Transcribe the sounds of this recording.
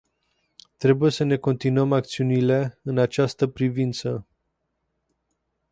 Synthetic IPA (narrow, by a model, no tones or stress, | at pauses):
t̪ɾe̞buje̞səne̞ko̞nt̪inuəmak̚t̪siunile̞ɨnat͡ʃast̪əpɾivint̪sə